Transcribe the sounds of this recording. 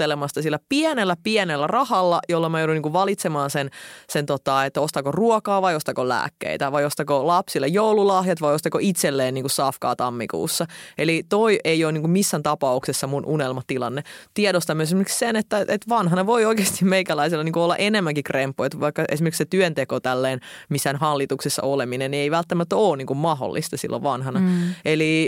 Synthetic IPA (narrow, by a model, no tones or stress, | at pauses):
elemɑst̪ɑsilːæpiɛnelːæpiɛnelːærɑhɑlːɑjolːɑmæjouduniːŋkuʋʋɑlit̪semɑːnsensent̪ot̪ɑet̪ːost̪ɑkoruɔkɑːʋɑjost̪ɑkolæ̰ːkːḛit̪æʋɑjost̪ɑkolɑpsilːejjoululɑhjɑt̪ʋɑjost̪ɑkoit̪selːeːnniːŋkussɑːfkɑ̰ːt̪ɑmːikṵːsːɑelit̪oiʔeioːniːŋkummisːænt̪ɑpɑuksesːɑmunʔunelmɑt̪ilɑ̰nːet̪ieɾost̪ɑmyøesmerki̥ksenet̪ːæet̪ʋɑnɦɑnɑʋoioikeːst̪imeikælæisilːɑniːŋkuolːɑ̰ʔenemːæŋkikrempːojt̪ʋɑikːɑʔḛsimerkset̪yønt̪ekot̪ælːeːnmisːænhɑlːit̪uksesːɑ̰ʔoleminennieiʋælt̪ːæmæt̪ːoːnniːŋkummɑɦo̰lːḭst̪ɑsḭlːo̰ʋʋɑnɦɑnɑeli